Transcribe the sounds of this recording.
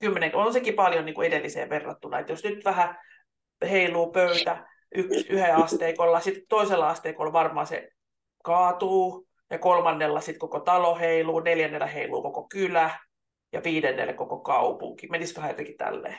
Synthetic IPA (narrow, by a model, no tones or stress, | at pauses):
kymːeneŋkonsekipɑljoniːŋkuedelːisḛːʋerːɑ̰t̪ːunɑḛt̪josnyt̪ʋæhæ | heilˑuːpøyt̪æ | ʔyksyheɑst̪eikolːɑsit̪t̪oiselːɑɑst̪eːkolʋɑrmɑ̰ːsḛ | kɑːt̪uː | jɑkolmɑnːelːɑsit̪kokot̪ɑloheiluːneljænːelːˑæheilṵːkokokylæ | jɑʋiːdenːḛlːḛkokokɑupṵŋkimeniskøhæjo̰t̪ekit̪æ̰lːḛː